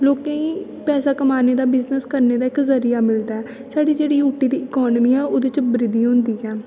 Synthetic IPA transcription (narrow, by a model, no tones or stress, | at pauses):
loːkẽːiː | pɛːsaːkəmaːneːd̪aːbɪznəskəɾneːd̪aːɪkzəɾijaːmɪld̪aːɛː | saːɖiːd͡ʒeːɽiːuːʈːiːd̪iːɪkɔːnmiːɛːoːd̪et͡ʃbɾɪd̪iːɦõːnd̪iːɛː